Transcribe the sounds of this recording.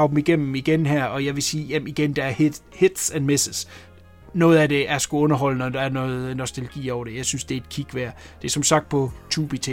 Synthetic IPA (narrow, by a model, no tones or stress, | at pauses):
ɑʊb̥m̩iɡ̥em̰m̩iɡ̥enɦæɐ̰ɒ̽jɑ̈ɪʋe̝siːjemiɡ̥end̥ɑ̈æɐhhe̝d̥sænmesəs | nɔ̽ːð̞̩ˠæd̥e̝ʔæsɡ̥uɔ̽nɐɦɒ̽l̰ənɒd̥ɑ̈ːɐnɔð̩ˠnɒ̽sd̥eləɡ̥ḭːɒʊɐɾ̥ejɑ̈ɪsynsd̥e̝ɐe̝d̥̚kʰiɡ̥ʋæɐ̰ | d̥e̝ɐsɒ̽msɑ̈ɡ̥̚d̥̚pʰɒ̽t͡sʰuːb̥it͡sʰe